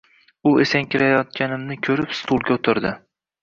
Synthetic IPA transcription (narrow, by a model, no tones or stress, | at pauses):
ʊesaŋkʲɪɾajɒt̪̚ɡʲanɪmnɪkʲʰɵɾɪpst̪ʰulˠɡʲaot̪ʰɪɾd̪ɪ